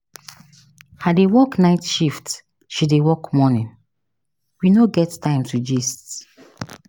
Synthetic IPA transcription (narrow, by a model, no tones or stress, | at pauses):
hadewɔknaɪtʃift | ʃidewɔkmɔnĩn | winoɡɛttãɪ̃mtʰud͡ʒist